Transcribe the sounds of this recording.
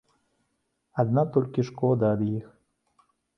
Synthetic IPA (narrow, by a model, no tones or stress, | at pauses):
ɐd̪nat̪ɔlʲkʲiʂkɔd̪aːd̪jix